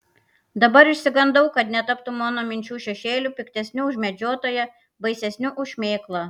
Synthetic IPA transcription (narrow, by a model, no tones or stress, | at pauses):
d̪ɐbɐɾɪʃʲsʲɪɡɐnd̪ɐʊkɐt̪nʲɛt̪ɐpt̪ʊmoːnoːmʲɪnʲt͡ʃʲuːʃʲɛʃʲeːlʲupʲɪkt̪ʲɛsʲnʲʊʊʒʲmʲɛd͡ʒʲoːt̪oːjɛ | bɐɪsʲɛsʲnʲʊʔʊʃʲmʲeːklˠɐ